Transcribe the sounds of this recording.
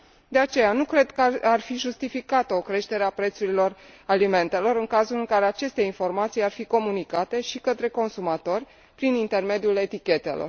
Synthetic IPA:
d̪e̞at͡ʃe̞janukɾe̞d̪kəarfiʒust̪ifikat̪əokɾe̞ʃt̪e̞ɾeapɾe̞t̪suɾilo̞ralime̞nt̪e̞lo̞ɾɨŋkazulɨŋkaɾe̞at͡ʃe̞st̪e̞info̞rmat̪sijarfiko̞munikat̪e̞ʃikət̪ɾe̞ko̞nsumat̪o̞rʲ | pɾinint̪e̞rme̞d̪jule̞t̪ikʲe̞t̪e̞lo̞̰r

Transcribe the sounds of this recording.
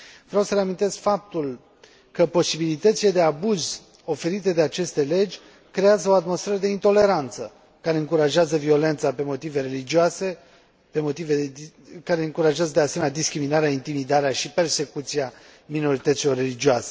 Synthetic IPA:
vɾʲawsəɾeamint̪e̞skfap̚t̪ul | kəpo̞sibilit̪ət̪sile̞d̪e̞abuz | o̞fe̞ɾit̪e̞d̪e̞at͡ʃe̞st̪e̞le̞d͡ʒʲ | kɾe̞azəoat̪mo̞st̪fɾeɾəd̪e̞int̪o̞le̞ɾant̪sə | kaɾe̞ɨŋkuɾaʒeazəvio̞le̞nt̪sape̞mo̞t̪ive̞ɾe̞lid͡ʒioase̞ | pemo̞t̪ive | kaɾe̞ɨŋkuɾaʒeazəd̪ease̞menʲad̪iskɾiminaɾeaint̪imid̪aɾeaʃipe̞rse̞kut̪sia | mino̞ɾit̪ət̪silo̞rːe̞lid͡ʒioase̞̥

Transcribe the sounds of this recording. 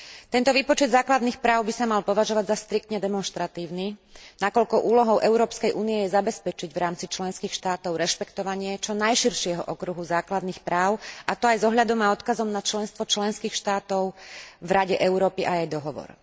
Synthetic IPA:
t̪ɛnt̪ɔʋiːpɔt͡ʃɛd̪zaːklad̪nixpɾaːʊbisamalpɔʋaʒɔʋaɟzast̪ɾik̚t̪ɲɛd̪ɛmɔnʃt̪ɾat̪iːʊninakɔʎkɔʔuːlɔɦɔʊʔɛʊɾɔːpskɛjʔuːniɛjɛzabɛspɛt͡ʃiɟʋɾaːmt͡sit͡ʃlɛnskiːxʃt̪aːt̪ɔʊɾɛʃpɛkt̪ɔʋaɲɪɛt͡ʃɔnajʃiɾʃɪɛɦɔ̰ʔɔkɾuɦuzaːklad̪nixpɾaːʊat̪ɔajzɔɦʎad̪ɔmaɔt̪kazɔmnat͡ʃlɛnst̪ʋɔt͡ʃlɛnskiːxʃt̪aːt̪ɔʊvɾaɟɛʔɛʊɾɔːpiʔajajd̪ɔɦɔʋɔ̰ɾ

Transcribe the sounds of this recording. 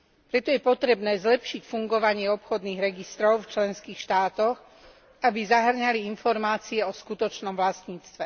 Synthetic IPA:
pɾɛt̪ɔjɛpɔt̪ɾɛbnɛːzlɛpʃicfuŋɡɔʋaɲɪɛɔpxɔd̪niːɣɾɛɡist̪ɾɔʊft͡ʃlɛnskiːxʃt̪aːt̪ɔx | abizaɦr̩ɲaliinfɔɾmaːt͡siɛɔskut̪ɔt͡ʃnɔmʋlast̪ɲiːt͡st̪ʋɛ

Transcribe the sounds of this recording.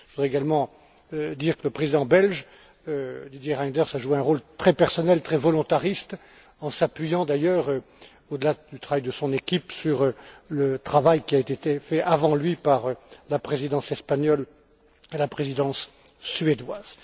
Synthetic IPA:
əvud̪ʁɛeɡalmɑ̃ | ød̪iʁkələpχezid̪ɑ̃bɛlʒ | ød̪id̪jeʁajd̪ɛʁsaʒueɛ̃ʁolt̪χɛpɛʁsɔnɛlt̪χɛvɔlɔ̃t̪aʁist̪ | ɑ̃sapɥijɑ̃d̪ajœʁø | od̪əlad̪yt̪χavajd̪əsɔ̃nekʲipsyʁlət̪χavajkʲiaet̪et̪efɛʔavɑ̃lɥipaʁlapχezid̪ɑ̃sɛspaɲɔl | elapχezid̪ɑ̃sː | ɥed̪waːz̥

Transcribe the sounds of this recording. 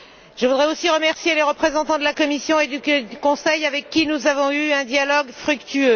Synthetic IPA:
ʒ̥əvud̪ʁɛosiʁəmɛʁsjeleʁəpχezɑ̃t̪ɑ̃d̪əlakɔmisjɔ̃ed̪ykɔ̃sɛjavɛkːinuzavɔ̃yɛ̃d̪jalɔɡfχykt̪ʰyø

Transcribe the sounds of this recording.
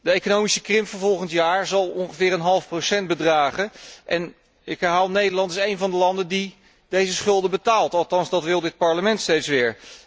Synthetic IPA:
dəejkonowmisəkrɪmvəɹvɔlˠχəntjaːɹzɑlˠɔŋχəvɪːɾənɦɑlˠəfprowsɛnt̚bədraːχəʔɛn | ɪkɦɛɹɦaːlˠnejdəlɑntɪsejnvɑndəlɑndəndi | dejzəsχɵlˠdəbətaːlˠtɑlˠtɑnzdɑtʋɪlˠdɪt̚pɑɹləmɛntstejtsʋɪːɹ

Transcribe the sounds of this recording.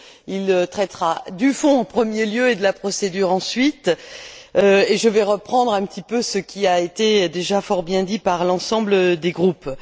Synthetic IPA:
ilt̪χɛt̪ʁad̪yfɔ̃ɑ̃pχəmjeljøed̪əlapχɔsed̪yʁɑ̃sɥit̪ | øeʒəvɛʁəpχɑ̃d̪ʁɛ̃pət̪ʰipøsəkʲiaet̪ed̪eʒafɔʁbjɛ̃d̪ipaʁlɑ̃sɑ̃bləd̪eɡʁup

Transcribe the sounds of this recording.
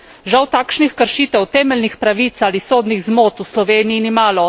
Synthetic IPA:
ʒawt̪aːkʃnixkəɾʃiːt̪ɛwt̪ɛːmɛlnixpɾaʋiːt̪saːlisoːd̪niɣzmoːt̪uslɔʋeːnijinimaːlɔ

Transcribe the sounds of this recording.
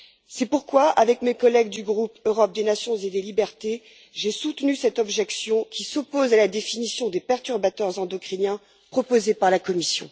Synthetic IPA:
sɛpuʁkwaʔavɛkmekɔlɛɡ̚d̪yɡʁupøʁɔp̚d̪enasjɔ̃zed̪elibɛʁt̪e | ʒesut̪nysɛt̪ɔbʒɛksjɔ̃kʲisopozalad̪efinisjɔ̃d̪epɛʁt̪yʁbat̪œʁzɛ̃d̪ɔkχinjɛ̃ | pχɔpozepaʁlakɔmisjɔ̰̃

